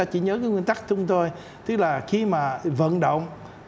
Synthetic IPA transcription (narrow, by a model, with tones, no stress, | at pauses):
aː˧t͡ɕḭ˧˩ɲəː˨˦k̬aː˨˦ŋwi˧ənt̪a˦˥k̚t͡ɕ̪ʊ˨˦ŋ͡mt̪o˧j | t̪ɨ˦˥k̚laː˨˩xi˧maː˨˩və̰˧˨nɗo̰˧˨wŋ͡m